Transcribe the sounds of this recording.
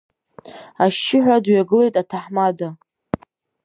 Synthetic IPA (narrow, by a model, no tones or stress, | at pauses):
aʃt͡ʃːɪħᶣʷadɥaɡɨle̞jtʼatʰaħmada